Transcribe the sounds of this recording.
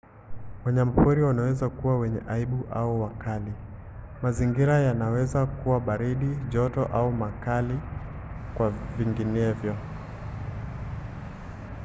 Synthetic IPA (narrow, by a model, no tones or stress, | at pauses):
waɲamapuɾiwanawɛzakuwawɛɲɛ̰ʔaiɓuʔauwakali | maziŋɡiɾajanawɛzakuwaɓaɾiɗiʄɔtɔʔaumakali | kwaviŋɡinɛvjɔ